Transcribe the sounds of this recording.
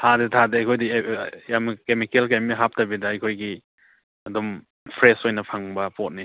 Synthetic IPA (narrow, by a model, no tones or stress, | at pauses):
hadetʰadeɐjkʰojdijamkemikelkamiɦap̚tɐbidɐɐjkʰojɡi | ɐdum | pʰɾesojnɐpʰaŋbɐpot̚ni